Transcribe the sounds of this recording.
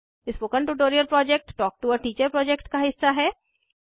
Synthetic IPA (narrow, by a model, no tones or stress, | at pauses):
ɪspoːkə̃ɳʈuʈoːɾijəlpɾɔːd͡ʒɛk̚ʈːɔːk̚ʈuɔːɾʈiːt͡ʃəɾpɾɔːd͡ʒɛkʈkaɦɪsːaɦɛː